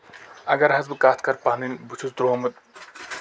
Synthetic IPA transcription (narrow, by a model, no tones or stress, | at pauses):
ɐɡɐɾɦɐzbɨkaːt̪ʰkɐɾpaɦnd̪inʲbut͡ʃʰusd̪ɾoːmɨt̪̚